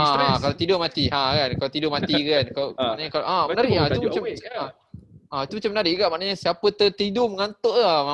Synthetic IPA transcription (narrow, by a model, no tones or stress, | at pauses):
aãkalot̪idomat̪iãkankalot̪idomat̪ikankalomaʔnaɲakaloʔamənaɾɪʔait̪umat͡ʃam | ait̪umat͡ʃamːənaɾɪʔɡaʔmaʔnaɲəsiapət̪ət̪idoməŋant̪ɔʔama